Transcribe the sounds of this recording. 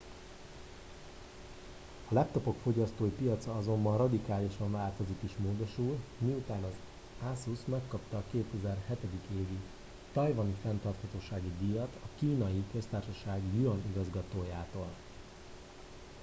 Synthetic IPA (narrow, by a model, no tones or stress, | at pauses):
ɒlɛp̚t̪o̞po̞kfo̞ɟɒst̪oːjipijɒt̪sɒɒzo̞mbɒnrɒd̪ikaːliʃɒɱvaːlt̪o̞zikiʃmoːd̪o̞ʃulmiut̪aːnɒz | asusmɛkːɒpt̪ɒːkeːt̪ʰɛzɛrhɛt̪ɛd̪ikeːvi | t̪ɒjvɒnifɛnt̪ɒrt̪hɒt̪oːʃaːɡid̪ijɒt̪ʰɒkiːnɒjikøst̪aːrʃɒʃaːɡijyɒniɡɒzɡɒt̪oːjaːt̪oːl